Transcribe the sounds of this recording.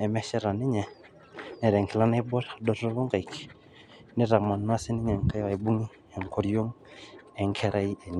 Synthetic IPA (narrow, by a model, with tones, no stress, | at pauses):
ɛ˨mɛ˦ʃɛ˦ɾa˨ni˦ɲɛ˨ | nɛ˨ɾɛ˨ŋkʰɛ˨la˦na˦i˦bɔ˦ɾa˨dɔ˦tɔ˦βɔ˦ŋɡa˨i˨ki̥˨ | ni˦ɾa˨ma˨n˦a˦si˦nɪ˦ɲɛ˨ŋka˦wa˨i˨bu˦ŋi˦ | ɛ˨ŋ˨kʰɔ˨ɾi˦o˦ŋɛ˨ŋkʰɛ˦ɾʔa˦i˦ʔɛ˨ɲ